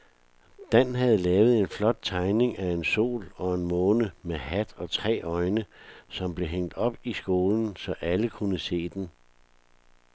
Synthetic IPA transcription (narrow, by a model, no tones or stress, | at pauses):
d̥ænɦæð̞̩ˠəlɛːʊð̞̩ˠe̝nflɒ̽d̥̚t͡sʰɑ̈ɪne̝ŋʔæe̝nso̝̰ːlɒ̽e̝nmɔːnəmehæd̥ɒ̽t͡sʰʁɛ̰ːɒ̽ɪnəsɒ̽mb̥le̝ɦeŋ̰d̥ɒ̽b̥isɡ̥o̝ːln̩sɒ̽ʔæləkʰunəse̝̰ːd̥en